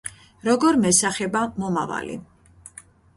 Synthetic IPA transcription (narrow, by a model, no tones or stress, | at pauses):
ɾɔɡɔɾmɛsaχɛbamɔmava̰lḭ